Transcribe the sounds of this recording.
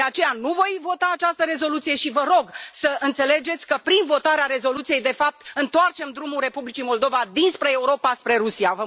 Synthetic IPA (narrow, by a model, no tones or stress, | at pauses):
d̪eat͡ʃe̞januvo̞jvo̞t̪aːt͡ʃast̪əɾe̞zo̞lut̪sije̞ʃivəɾo̞ɡsəʔɨnt̪se̞le̞d͡ʒe̞t̪sʲkəpɾinvo̞t̪aɾeaɾe̞zo̞lut̪sije̞jd̪e̞fap̚t̪ɨnt̪oart͡ʃe̞md̪ɾumulre̞publit͡ʃimo̞ld̪o̞vad̪inspɾe̞ːuɾo̞paspɾe̞ɾusijavə